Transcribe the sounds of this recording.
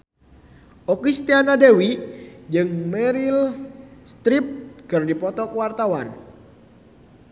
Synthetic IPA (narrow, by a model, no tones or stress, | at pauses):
ʔɔkist̪ianadewid͡ʒɨŋmɛɾilst̪ɾip̚kɨrdipɔt̪ɔkəwart̪awan